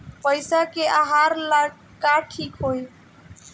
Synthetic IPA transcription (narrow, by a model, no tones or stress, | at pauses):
pəɪsakeʔaɦaːɾla | kaʈʰiːkɦoːi